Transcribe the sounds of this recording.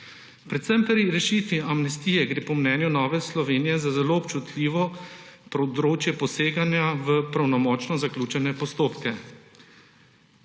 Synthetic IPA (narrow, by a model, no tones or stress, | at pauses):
pɾɛt̪sɛmpɾiɾɛʃiːt̪ʋiamnɛst̪iːjɛɡɾeːpɔmnɛːnjunɔːʋɛslɔʋeːnijɛzazɛloːpt͡ʃut̪lʲiːʋɔpɾɔd̪ɾoːt͡ʃjɛpɔseːɡanjaʋəpɾawnɔmɔːt͡ʃnɔzaklʲuːt͡ʃɛnɛpɔst̪oːpkɛ